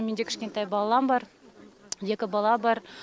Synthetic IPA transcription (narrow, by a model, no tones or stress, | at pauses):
mend̪ekʲʰɪ̥ʃkʲe̞nt̪ɑjbɑlˠɑlˠɑmbɑɾ | je̞kʲɪbɑlˠɑbɑɾ